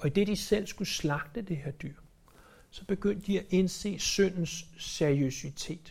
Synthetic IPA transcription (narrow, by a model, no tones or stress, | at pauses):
ʔɒ̽id̥e̝d̥isel̰sɡ̥uslɑ̈ɡ̥̚d̥əd̥e̝ɦeɐ̰d̥yɐ̰ | sɒ̽b̥e̝ɡ̥øn̰d̥ːiæʔense̝̰ːsœn̰n̩sːeɐiøsit͡sʰe̝̰ːd̥